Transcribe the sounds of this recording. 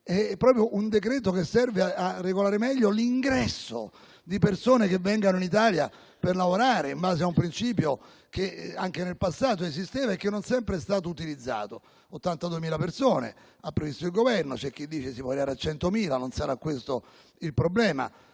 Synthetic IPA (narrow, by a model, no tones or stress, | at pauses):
ɛpːɾɔːpɾjoʔund̪ek̬ɾɛːt̪̬okesːɛrveaarːeɡolaːɾemɛʎːoliŋɡɾɛsːo̰ | d̪ipersoːnek̟evːɛŋɡanoinit̪̬aːlja | perlavoɾaːɾeimbaːzeaumpɾint͡ʃiːpjo | k̟eaŋk̟enelpasːaːt̪̬oezist̪eːvaekːenːonsɛmpɾeɛst̪aːt̪̬out̪ilid̪zːa̰ːt̪o | ot̪ːant̪ad̪uemiːlapersoːnḛ | apːɾevist̪od̪ilɡovɛrnot͡ʃɛk̟ːid̪ːiːt͡ʃesipwɔɾiaːɾeat͡ʃːɛnt̪omiːlanonsaɾakːwest̪o | ilpɾoblɛːma̰